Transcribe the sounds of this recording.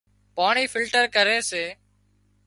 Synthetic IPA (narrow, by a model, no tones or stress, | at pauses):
paːɳiːfɪlʈəɾkəɾeːseː